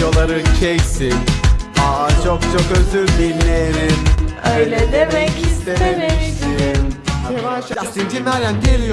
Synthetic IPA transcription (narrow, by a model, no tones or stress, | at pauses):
o̞lˠaɾɯncʰeksinat͡ʃʰok̚t͡ʃʰo̞køzyɾʲdilːeɾinøjled̪emɛkist̪ʰenemisinjɛvaʃsind͡ʒinmæɾjænɟelʲij